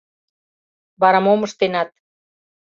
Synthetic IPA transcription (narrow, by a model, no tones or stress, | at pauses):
βɑɾɑmoməʃt̪enɑt̪̚